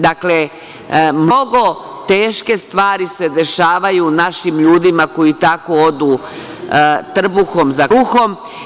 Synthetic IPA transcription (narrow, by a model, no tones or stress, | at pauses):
d̪akle | mnoɡo̞ | t̪e̞ːʃke̞st̪ʋaːɾise̞d̪e̞ʃaːʋajunaʃimʎuːd̪imako̞it̪ako̞o̞d̪u | t̪r̩buxo̞mzauxo̞m